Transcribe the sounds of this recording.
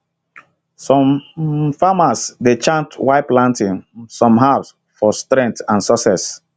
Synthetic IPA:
sɔ̃mfamasdet͡ʃãntwaɪplãntɪ̃ŋsɔ̃mɦas | fɔstɹɛ̃ŋ̚tãnsɔsɛs

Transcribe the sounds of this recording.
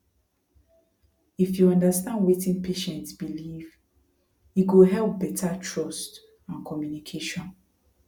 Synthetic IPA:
ifjuɔ̃ndastãndwetĩnpʰeʃɛ̃ntsbiliv | iɡoɦɛlp̚bɛtʰatʰɹɔst | ãnkʰɔmjunikʰeʃɔ̃n

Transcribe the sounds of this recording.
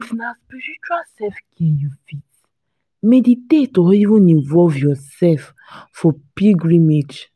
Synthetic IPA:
ifnaspiɾit͡ʃuasɛfkʰɛ̃njufit | meditetɔivũnĩvɔlvjɔsɛlf | fɔpiɡɹĩmed͡ʒ

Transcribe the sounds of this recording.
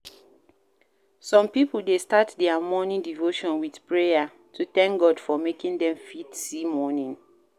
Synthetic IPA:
sɔ̃mpipul̩destatdɛamɔnĩndivoʃɔ̃nwidpɹeja | tʰuθɛ̃ŋk̚ɡɔdfɔmekĩndɛ̃mfitsimɔnĩŋ

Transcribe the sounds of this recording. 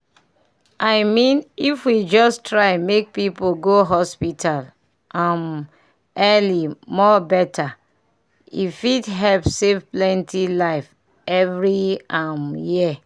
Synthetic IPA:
aɪmĩnifwid͡ʒɔstɹaɪmek̚pipoɡoɦɔspitʰal | ʔãm | ɛlimɔbɛtʰa | ḭfidɦɛlpsevplɛ̃ntʰilaɪf | ɛvɹiãmjiə

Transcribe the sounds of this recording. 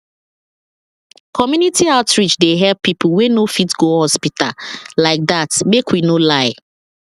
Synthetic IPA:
kʰɔmjunitʰiaʊtɹid͡ʒdeɦɛppːipʊwenofitɡohɔspita̰laɪk̚datmekwinolaɪ

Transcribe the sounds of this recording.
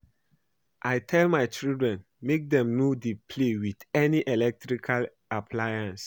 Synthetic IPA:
ʔajtʰɛlmajt͡ʃildɹɛ̃n | mek̚dɛ̃mnodipʰlewidɛniʔɛlɛk̚tɹikʰal | apʰlajãns

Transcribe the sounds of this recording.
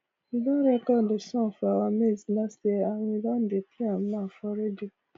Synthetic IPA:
idɔ̃ɾɛkɔ̃desɔ̃fɔawameznɛsdeanĩdɔ̃n̩depʰiãmnãfɔɾɛdi

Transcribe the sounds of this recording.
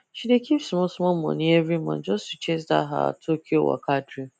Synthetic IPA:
ʃidekʰifsmɔ̃smɔ̃mɔ̰̃nĩevɾimã̰nd͡ʒɔstut͡ʃes̬da̰ɦa̰tʰokʲio̰wa̰kʰadɾi

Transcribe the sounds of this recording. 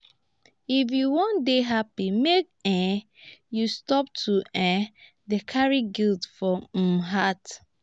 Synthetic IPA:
ifjuwɔ̃ndeɦapimek̚ɛ̃ | justɔp̚tʰuʔɛ̃ | dekʰaɹiɡiltfɔɦat

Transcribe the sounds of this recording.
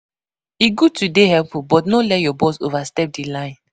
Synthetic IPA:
iɡutudehɛlpubɔtnolɛtjɔbɔsovastɛp̚dilãɪ̃n

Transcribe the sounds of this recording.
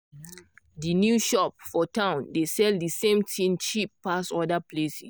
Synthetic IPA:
dinjuʃɔp̚fɔtʰãʊ̃ndesɛldisẽmtʰĩnt͡ʃipːasɔdaplesi

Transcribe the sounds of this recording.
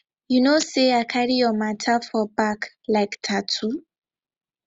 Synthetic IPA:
junoseakʰaɾijɔmatʰafɔbak | laɪktʰatʰu

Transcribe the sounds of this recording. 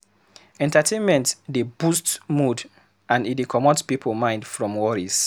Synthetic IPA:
ɛ̃ntatʰẽnmɛ̃ntdebustmud | ãndidekʰɔmɔspipʰəlmãɪ̃ndfɹɔ̃mwɔɹis

